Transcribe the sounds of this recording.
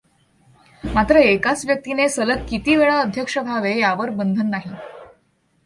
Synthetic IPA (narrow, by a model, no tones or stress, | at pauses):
mat̪ɾəekat͡sʋjək̚t̪inesələt̪̚kit̪iːʋeɭaəd̪ʱjəkʂəbʱaʋejaʋəɾbənd̪ʱənːaɦi